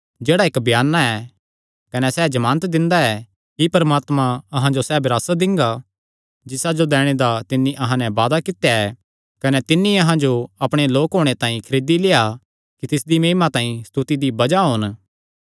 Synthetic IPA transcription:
d͡ʒeːɽaeːkbjaːnːaɛ | kɐnɛsɛd͡ʒɐmãːnt̪d̪ɪ̃nd̪aɛ | kipɐɾmaːt̪mãɐɦãd͡ʒosɛbɪɾaːsad̪ɪ̃ŋɡa | d͡ʒɪsad͡ʒod̪ɛːɽ̃ed̪at̪ɪnːĩʔɐɦãnɛʋaːd̪akɪt̪jaɛ | kɐnɛt̪ɪnːĩɐɦãd͡ʒoɐpɽ̃eloːkɦoːɽ̃et̪ãːĩkʰɐɾeːd̪ileːa | kit̪ɪsd̪imeːmãt̪ãːĩst̪ut̪id̪ibɐd͡ʒaɦʊn

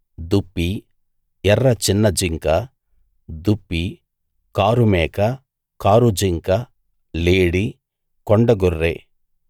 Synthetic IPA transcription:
d̪upːi | ɛrːɐt͡ʃinːɐd͡ʒiŋkɐ | d̪upːi | kaːɾumɛːkɐ | kaːɾud͡ʒiŋkɐ | leːɽi | kɔɳɖɐɡurːe

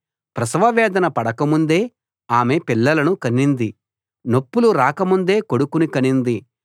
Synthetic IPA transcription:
pɾɐsʋɐʋɛːd̪ɐnɐpɐɽɐkɐmund̪e̞ː | aːme̞pilːɐlɐnukɐnːind̪i | no̞pːuluɾaːkɐmund̪e̞ːko̞ɽukunikɐnind̪i

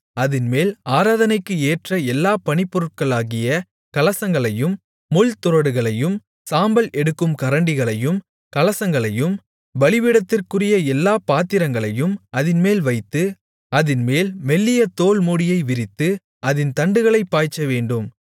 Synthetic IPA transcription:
ɐðɪnmeːlaːɾaːðɐnɐɪkːɯeːʈrɐɛlːaːpɐɳɪpːɔɾɯʈ̚kɐɭaːɣɪjɐ | kɐlɐsɐŋɡɐɭɐjɯmː | ʊlt̪ʊɾɐɽɯɣɐɭɐjɯm | saːmbɐlʔɛɽɯkːɯmkɐɾɐɳɖɪɣɐɭɐjɯm | kɐlɐsɐŋɡɐɭɐjɯm | ʋɐɭɪʋɪɽɐt̪ːɪrkɯrɪjɐɛlːaːpaːt̪ːɪɾɐŋɡɐɭɐjɯmɐðɪnmeːlʋɐɪt̪ːɯ | ɐðɪnmeːlmɛlːɪjɐt̪oːlmuːɽɪjɐɪʋɪɾɪt̪ːɯ | ʔɐðɪnt̪ɐɳɖɯɣɐɭɐɪpːaːjt͡ʃːɐʋeːɳɖɯm

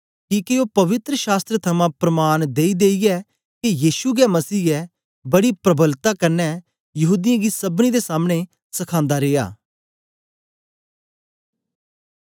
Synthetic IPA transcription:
kĩːkioːpɐʋɪt̪ɾəʃaːst̪ɾət̪ʰɐmãpɾəmaːnd̪eːid̪eːiɛ | kijiːʃuɡɛmɐsiːɛ | bɐɽipɾəbəlt̪akɐɾnɛ | jɐɦuːd̪ɪjãɡisɐbnid̪esaːmɽ̃e | sɐkʰãːnd̪aɾeːa̰ː

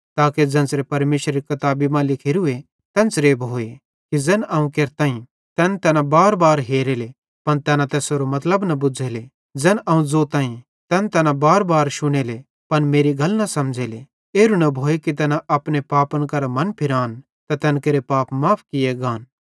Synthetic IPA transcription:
t̪aːked͡zɛ̃ːnsɾepɐɾmeːʃɾɐɾikɐt̪aːbimãlɪkʰeːɾʊe | t̪ɛ̃ːnt͡sɾeːbʱoːe | kid͡zɛːnɐːũkeːɾt̪ãːĩ | t̪ɛːnt̪ɛːnãbaːɾbaːɾɦeːɾeːle | pɐnt̪ɛːnãt̪ɛːsoɾomɐt̪ləbnɐbʊd͡zʱeːle | d͡zɛːnʔɐːũd͡zoːt̪ãːĩ | t̪ɛːnt̪ɛːnãbaːɾbaːɾʃʊɽ̃eːle | pɐnmeːɾiɡʱɐlnɐsɐmd͡ʒʱeːle | eːɾunɐbʱoːekit̪̬ɛːnãʔɐpnepaːpənkɐɾamɐnpʰɪɾaːn | t̪at̪ɛnkeːɾepaːpmaːpʰkɪjeɡaːn

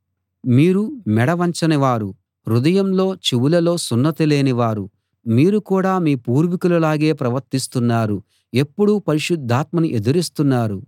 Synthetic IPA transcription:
miːɾumɛɽɐʋɐɲt͡ʃɐniʋaːɾu | ɾud̪ɐjɐmlo̞ːt͡ʃiwulɐlo̞ːsunːɐt̪ile̞ːniʋaːɾu | miːɾukuːɽaːmiːpuːɾʋikulɐlaːɡe̞ːpɾɐʋɐɾt̪ist̪unːaːɾu | e̞pːuɽupɐɾiʃud̪ʱːaːt̪mɐniʔe̞d̪uɾist̪unːaːɾu

